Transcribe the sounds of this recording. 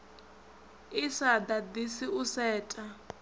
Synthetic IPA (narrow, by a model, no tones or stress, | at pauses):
isad̪ad̪isiusɛːtʼa